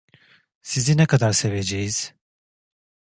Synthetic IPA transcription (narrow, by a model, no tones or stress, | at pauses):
sizinɛkʰad̪aɾse̞ve̞d͡ʒejiz̥